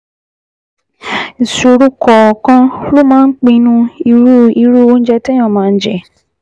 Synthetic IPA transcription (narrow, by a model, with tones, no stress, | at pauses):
n̩˨so˨ɾu˦kɔ˨kã˦lo˦mãː˦k͡pĩ˧nũ˦˧i˧ɾu˦˨i˧ɾu˦o˦n̩˦d͡ʒɛ˧tɛ˦j̃ɔ̃˦˨mãː˨˦˧n̩˦d͡ʒɛ̰˦˨